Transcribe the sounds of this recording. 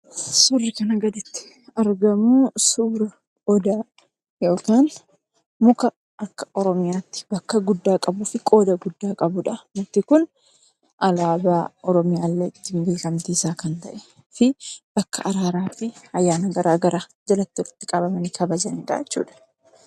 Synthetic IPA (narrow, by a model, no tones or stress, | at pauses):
sʊrːɪkɐnɐɡɐd̪ɪt̪ːɪ̥ | ɐɾɡɐmʊsuːɾɐ | ɔd̪aː | joːkaːn | mʊkɐ | ʔɐkːɐ̥ʔɔɾɔmɪjaːt̪ːɪ̥bɐkːɐɡʊd̪ːaːkʼɐbuːfɪkʼo̞ːd̪ɐɡʊd̪ːaːkʼɐbʊᶑɐmʊt̪ːɪkʊn | ʔɐlaːbaːʔɔɾɔmɪjaːlːeːɪt̪ːɪnbe̞ːkɐmt̪iːsaːkɐnt̪ɐʔɛ | fɪbɐkːɐ̰ʔɐɾaːɾaːfɪɐjːaːnɐɡɐɾaːɡɐɾaːd͡ʒɐlɐt̪ːʊɾɪ̥t̪ːɪkʼɐbɐmɐniːkɐbɐd͡ʒɐniːᶑ̪a̰ɛt͡ʃːṵːᶑɐ̥